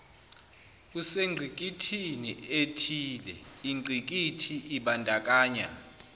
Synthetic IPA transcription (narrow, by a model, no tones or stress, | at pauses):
kuseŋ͡ǀʱik̬ʼitʰinietʰiːlɛiŋ͡ǀʱik̬ʼitʰiʔiɓandʼʱak̬ʼaːɲa̰